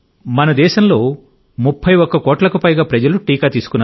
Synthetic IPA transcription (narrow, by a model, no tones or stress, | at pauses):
mɐnɐd̪ɛːʃɐmlo̞ː | mupʰːɐjɔkːɐkɔːʈlɐkupɐjɡaːpɾɐd͡ʒɐluʈiːkɐːt̪iːsu̥kunːa